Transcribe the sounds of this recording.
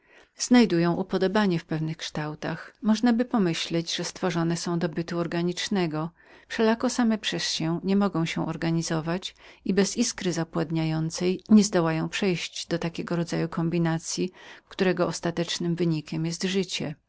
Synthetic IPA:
z̥najd̪ujɔ̃w̃ʔupɔd̪ɔbaɲɛfpɛvnɘxkʂt̪awt̪axmɔʐnabɘpɔmɘɕlɛd͡ʑʐ̥ɛst̪fɔʐɔnɛsɔ̃w̃d̪ɔbɘt̪uɔɾɡaɲit͡ʂnɛɡɔ | fʂɛlakɔsamɛpʂɛsɕɛɲɛmɔɡɔ̃w̃ɕɛʔɔɾɡaɲizɔvat͡ɕibɛziskɾɘzapwad̪ɲajɔnt̪sɛjɲɛzd̪ɔwajɔ̃w̃pʂɛjɕd͡ʑd̪̥ɔt̪akʲɛɡɔɾɔd̪zajukʰɔmbʲinat̪sʲjikt̪uɾɛɡɔʔɔst̪at̪ɛt͡ʂnɘmvɘɲikʲɛmjɛst̪ʐɘt͡ɕɛ

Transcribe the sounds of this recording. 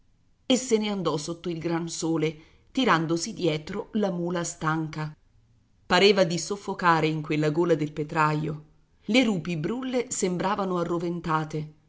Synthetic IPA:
esːeneand̪ɔsot̪ːoilɡɾansoːle | t̪iɾand̪osid̪jɛːt̪ɾolamuːlast̪aŋka | paɾeːvad̪isofːokaːɾeiŋkwelːaɡoːlad̪elpet̪ɾajo | leɾuːpibɾulːesembɾaːvanoarːovent̪aːt̪e

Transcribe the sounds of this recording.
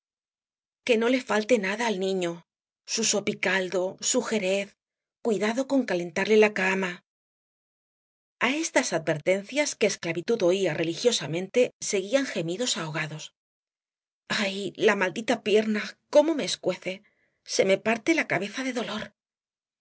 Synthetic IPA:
ke̞no̞le̞falt̪e̞naðaːlnĩɲo̞ | suso̞pikald̪o̞suxe̞ɾe̞θ | kwiðaðo̞ko̞ŋkale̞nt̪aɾle̞lakama | aest̪asað̚be̞ɾt̪e̞n̟θjaske̞ːsklaβit̪ut̪o̞iarʔe̞lixjo̞samẽ̞nt̪e̞se̞ɣiaŋxe̞miðo̞sao̞ɣ̞aðo̞s | ajlamald̪it̪apje̞ɾnako̞mo̞me̞ːskwe̞θe̞ | se̞me̞paɾt̪e̞lakaβ̞e̞θaðe̞ðo̞lo̞ɾ

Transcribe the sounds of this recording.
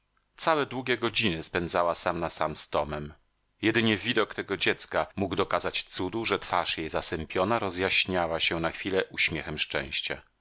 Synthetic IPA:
t̪sawɛd̪wuɡʲjɛɡɔd͡ʑinɘspɛnd̪zawasamnasamst̪ɔmɛm | jɛd̪ɘɲɛvʲid̪ɔkt̪ɛɡɔd͡ʑɛt̪skamuɡd̪ɔkazat͡ɕt̪sud̪uʐɛt̪faʂjejzasɛmpʲjɔnaɾɔzjaɕɲawaɕɛnaxfʲilɛʔuɕmʲjɛxɛmʂt͡ʂɛ̰̃w̃ɕt͡ɕa̰

